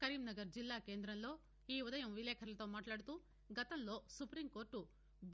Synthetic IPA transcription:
kɐɾiːmnɐɡɐɾd͡ʒilːaːkeːnd̪ɾɐnloː | iːɔd̪ɐjɐmʋileːkʰɐɾɐlt̪oːmaːʈlaːɽt̪u | ɡɐt̪ɐnloːsupɾimko̞ːɾʈu | b

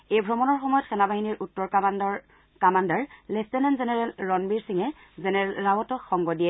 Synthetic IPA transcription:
ejbʱɹɔmɔnɔɹxɔmɔjɔtxɛnabaɦiniɹʔutːɔɹ | kamandaɹlɛstɛnɛnzenɛɹɛlːɔnbiɹsiŋɛ | zenɛɹɛlɹawɔtɔxɔŋɡɔdijɛ

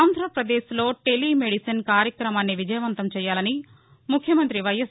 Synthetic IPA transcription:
aːnd̪ʱɾɐpɾɐd̪eːʃlo̞ːʈe̞limeɽisɐnkaːɾjɐkɾɐmaːnːiʋid͡ʒɐjɐʋɐnt̪ɐmt͡ʃɛːjaːlɐni | mukʰjɐmɐnt̪ɾiʋɐjɐs

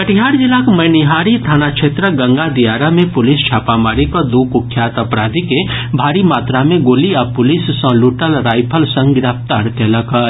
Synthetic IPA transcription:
kəʈʰiɦaːɾd͡ʒɪlaːkmɐjnɪɦaːɾit̪ʰaːnakʃʰeːt̪ɾəɡɐ̃ŋɡad̪ijaːɾamẽpʊlɪst͡ʃʰaːpamaːɾikod̪uːkʊkʰːjaːt̪ɐpɾaːd̪ʱikebʱaːɾimaːt̪ɾamẽɡoːliapʊlɪssə̃ːluːʈəlɾaːɪpʰəlsə̃ŋɡɡɾaːpt̪aːɾk̪ɛːləkɐɾ

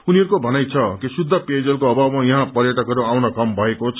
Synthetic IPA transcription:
uniɦʌɾukobʱʌnajt͡sʰʌkisud̪ʱːʌped͡zʌlkoʌbabmajʌɦãpʌɾjʌʈʌkʌɾuawnʌkʌmbʱʌekot͡sʰ

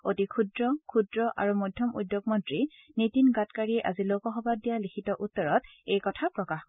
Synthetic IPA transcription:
otikʰudɹɔkʰudɹɔʔa̰ɹumɔjdʱjɔmʔṵdjoɡmɔntɹi | nitinɡatkaɹiɛʔazilokɔxɔbadijalikʰitɔʔutːɔɹɔtejkɔtʰapɹɔkax

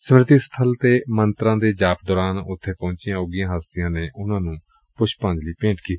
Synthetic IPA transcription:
səmɾɪt̪iːst̪ʰəlt̪eːmənt̪ɾãːd̪eːd͡ʒaːpd̪ɔːɾaːnʊt̪ʰːeːpɔ̃ːɲt͡ʃɪjãːʊɡɪjãːɦəst̪ɪjãːneːʔʊnãːnũː | pʊʃpãːɲd͡ʒliːpẽːɳʈkiːt̪i̥

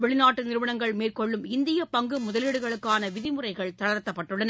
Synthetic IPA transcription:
ʋɛɭɪnaːʈːɯnɪɾɯʋɐnɐŋɡɐɭmeːrkɔɭːɯmɪnd̪ɪjɐpɐŋɡɯmʊðɐlɪɽɯɣɐɭɯkːaːnɐʋɪðɪmʊrɐɪɣɐɭt̪ɐɻɐɾt̪ːɐpːɐʈːɯɭːɐnɐ

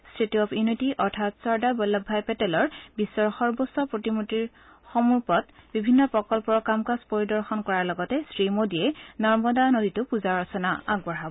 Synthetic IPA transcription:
stɹitiɔpʰjunitiʔɔɹtʰatsɔɹdabɔlːɔbʱːajpɛtɛlɔɹbisːɔɹxɔɹbɔsːɔpɹotimutiɹ | xɔmuɹpɔtbibʱinːɔpɹɔkɔlpɔɹɔkamkaspoɹidɔɹxɔnkɔɹaɹlɔɡɔtɛsɹimodiɛnɔɹmɔdanoditʊpuzaɹɔsɔnaaɡbɔɹabɔ

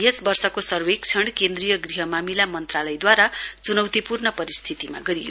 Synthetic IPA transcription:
ɦʌsbʌrsʌkosʌrwek̚t͡sʰʌɽ̃kend̪rijʌɡriɦʌmamilamʌnt̪ralʌjd̪waɾat͡sunʌwt̪ipurnʌpʌɾist̪ʰit̪ima̰ɡʌɾijo̰

